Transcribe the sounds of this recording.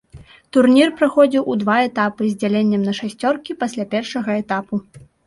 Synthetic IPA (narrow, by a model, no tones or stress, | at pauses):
t̪urnʲirpɾaxɔd͡zʲiwʔud̪vaɛt̪apɨzʲd͡zʲalʲenʲːɛmnɐʂasʲt͡sʲɔrkʲipasʲlʲapʲɛrʂɐɣɐɛt̪apu